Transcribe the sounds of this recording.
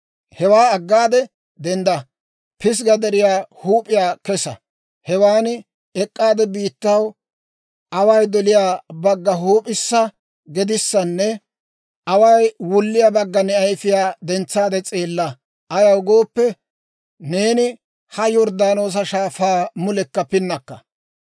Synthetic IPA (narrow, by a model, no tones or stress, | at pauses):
hɛwaːɐɡːaːd̪ɛ | d̪ɛnd̪ɐ | pɪs̬ɡɐd̪ɐɾɪjaːhuːpʼːɪjaːkɛsɐ̰ | hɛwaːnɪ | ɛkʼːaːd̪ɛbiːt̪ːɐw | ʔɐwɐjd̪ɔlɪjaːbɐɡːɐɦuːpʼɪsːɐ | ɡɛd̪ɪsːɐnːɛ | ʔɐwɐjwʊlːɪjabɐɡːɐnɛɐjfɪjaːd̪ɛnt͡sːaːd̪ɛt͡sʼe̞ːlːɐ | ʔɐjɐwɡo̞ːpːɛ | ne̞ːnɪ | hɐjɔɾd̪aːno̞ːs̬ɐʃaːfaːmʊlɛkːɐpɪnːɐkːɐ̰